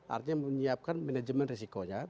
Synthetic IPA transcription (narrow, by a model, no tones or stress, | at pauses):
ʔa̰rt̪ɲaməɲiap̚kanmɛnad͡ʒəmɛnrisikoɲa